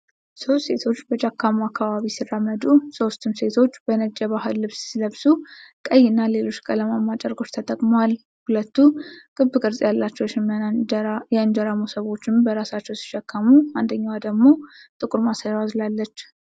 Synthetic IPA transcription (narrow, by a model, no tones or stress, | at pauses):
so̞st̪se̞t̪ʰo̞t͡ʃːbət͡ʃakʰːamoakːaβaβisirːamːəd̪uso̞st̪ʰumse̞t̪ʰo̞t͡ʃːbənəd͡ʒʼːəβaɦɨlːɨβsːiləβsukʼəjːɪnːale̞lo̞t͡ʃːkʼələmamːat͡ʃʼəɾɡo̞t͡ʃːt̪ʰət̪ʼəkʼmwal | hulət̪ːukʼɨbːɨkʼɨɾsʼjalːat͡ʃːɛwʃɪm | jɛɨnd͡ʒəɾamosəβo̞t͡ʃːɪmbəɾasat͡ʃːɛwsi̥ʃakʰːamuand̪əɲːawad̪əɡmo̞t̪ʼɨkʼuɾmasajazlalːət͡ʃː